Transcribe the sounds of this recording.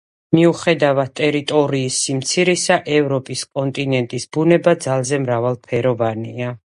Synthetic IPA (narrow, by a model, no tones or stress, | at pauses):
miuχɛd̪avad̪̚t̪ʼɛɾit̪ʼɔɾiːsːimt̪sʰiɾɛsaʔɛvɾɔpʼiskʼɔnt̪ʼinɛnt̪ʼisbunɛbad̪zalˠzɛmɾavalˠpʰɛɾɔvania